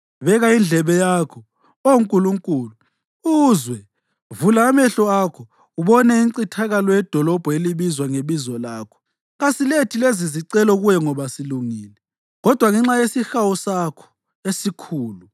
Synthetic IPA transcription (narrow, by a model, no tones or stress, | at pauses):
βɛɣaind͡ɮʱɛβɛjakʰɔ | ouŋkʼuluŋkʼuːlu | uzwɛ | vulaːmɛɬɔakʰɔ | uβɔnɛiŋǀitʰaɣalɔjɛd̥ʱɔlɔb̥ʱɔeliβizwaŋeβizɔlaːkʰɔ̥ | ɣasiletʰileziziǀɛlɔɣujɛŋɔβasiluŋiːlɛ | ɣɔd̥ʱwaŋɛŋ͡ǁajesixawusakʰɔ̥ | esikʰuːlu